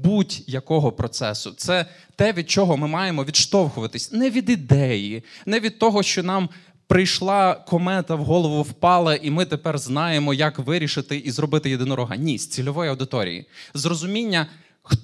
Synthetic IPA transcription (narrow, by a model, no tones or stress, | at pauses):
butʲjɐkɔɦɔpɾɔt̪sɛsʊt̪sɛ | t̪ɛʋʲid̪̚t͡ʃɔɦɔmɪmɑjemɔʋʲid̪ʃt̪ɔwxʊʋɐt̪ɪsʲnɛʋʲid̪id̪ɛjinɛʋʲid̪̚t̪ɔɦɔʃt͡ʃɔnɑm | pɾɪjʃlˠɑkɔmɛt̪ɐwɦɔlˠɔʋʊwpɑlˠɐʔimɪt̪epɛrznɑjemɔjɐkʋɪɾʲiʃɪt̪ɪʔizrɔbɪt̪ɪjed̪ɪnɔɾɔɦɐ̰nʲisʲt͡sʲilʲɔʋɔjiɐwd̪ɪt̪ɔɾʲḭjḭzrɔzʊmʲinʲːɐ | x